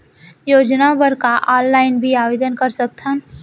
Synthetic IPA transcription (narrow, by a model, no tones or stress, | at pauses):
joːd͡ʒnabəɾkaʔɔnːaɪnbʱiabed̪ənkəɾsək̚t̪ʰən